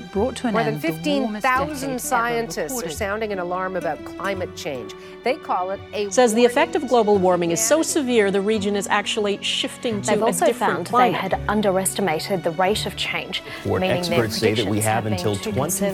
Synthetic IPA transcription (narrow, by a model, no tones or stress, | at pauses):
b̥ɹɔtʰmɔɹðɨ̃nfɪftĩnθaʊzɨ̃n̩dsaɪɨ̃ntʰɨstsə˞sãʊ̃ndɪ̃ŋɨ̃nəlɑɹmɨbaʊt̚kʰl̥ãɪ̃mɨt̚t͡ʃʰẽɪ̃nd͡ʒ | ðeɪkʰɔlˠɪɾɨsɛzðiɨfɛk̚tʌvɡloʊbl̩ˠwɔɹmɪ̃ŋɨz̥soʊsɨvɪɹðɨɹid͡ʒɨ̃nɨzæ̰k̚t͡ʃul̩ˠiʃɪftɪ̃ŋtʰɨɨzɪfãʊ̃nweɪɨɾʔʌ̃ndə˞ɛstɨmeɪɾɨd̪̚ðɨɹaɪɾʌv̥t͡ʃʰẽɪ̃nd͡ʒ | ɔ̰ɹmĩnɪ̃ŋə̥˞sseɪðɨ̰t̚wiɨvɨ̃ntʰɪ̰lˠtʰw̥ɛ̃n